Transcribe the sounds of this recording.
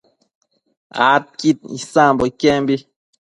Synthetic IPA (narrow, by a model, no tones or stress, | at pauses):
a̰t̚kit̚ḭsãmbɔkɛmbi